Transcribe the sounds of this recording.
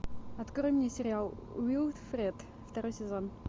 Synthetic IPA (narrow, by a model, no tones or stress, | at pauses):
ɐt̪kɾojmnʲɪsʲɪɾʲɪalˠ | wʲilˠt̪fɾʲɛt̪ | ft̪ɐɾojsʲɪzon